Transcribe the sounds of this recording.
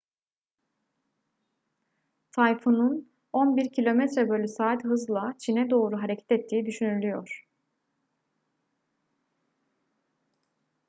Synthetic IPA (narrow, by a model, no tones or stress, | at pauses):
t̪ʰajfunun | o̞nbiɾcʰilʲo̞mɛt̪ɾɛbølʲysaːt̪ɦɯzlˠat͡ʃʰinɛd̪o̞ːɾuɦaɾecʰɛ̥t̪ɛt̪ʰːiːid̪yʃynylʲyjo̞ɾ̥